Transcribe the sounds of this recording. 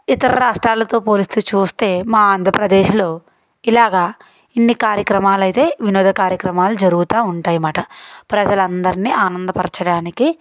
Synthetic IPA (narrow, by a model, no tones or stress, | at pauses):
it̪ɐɾɐɾaːʂʈɾaːlɐt̪o̞ːpo̞ːlisut͡ʃuːst̪e̞ːmaːaːnd̪ʱɾɐpɾɐd̪e̞ːʃlo̞ː | ilaːɡaː | inːikaːɾjɐkɾɐmaːlɐjt̪e̞ːʋinɔːd̪ʱɐkaːɾjɐkɾɐmaːlud͡ʒɐɾuɡut̪aːuɳʈaːjimaːʈɐpɾɐd͡ʒɐlɐnd̪ɐɾiniʔaːnɐnd̪ɐpɐɾt͡ʃɐɽaːniki